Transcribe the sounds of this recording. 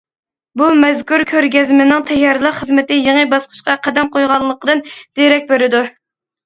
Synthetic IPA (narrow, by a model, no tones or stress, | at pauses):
bumɛzkʰuɾkʲʰøɾɡʲɛzmɪnɪŋt̪ʰɛjːɑɾlˠəqχəzmɪt̪ɪjeŋəbɑsqʰʊ̥ʃqɑqʰæd̪ɛmqʰojʁɑlˠːəqəd̪ɨnd̪̥eɾɛk̚ʲbeɾɪd̪u